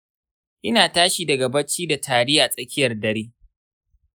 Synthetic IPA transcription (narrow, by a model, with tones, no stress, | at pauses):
ʔɪ˦naː˨taː˦ʃiː˨dɐ˨ɡa˨bɐ˦t͡ʃːiː˦da˨tʰaː˨ɾɪ˦ja˨ʔa˨sʼɐ˦kʲɪ˦jɐ˨rdɐ˨ɾeː˦